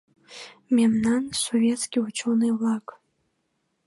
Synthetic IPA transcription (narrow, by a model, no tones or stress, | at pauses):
memnansovʲjet͡sɡʲiwat͡ʃʰonɨjlakʼ